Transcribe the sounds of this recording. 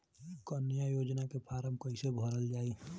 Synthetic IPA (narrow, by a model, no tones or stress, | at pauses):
kənjajoːd͡ʒnakepʰaɾəmkəɪsebʱəɾəld͡ʒaːi